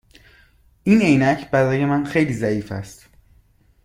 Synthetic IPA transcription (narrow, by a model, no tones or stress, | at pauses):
ʔine̞jnæcʰbæɾɒːje̞mænxe̞jliːzæiːfæ̰st̪